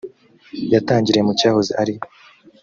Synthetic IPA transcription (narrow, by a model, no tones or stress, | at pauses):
jataːɲɟiɾejemucaːhoziʔaɾij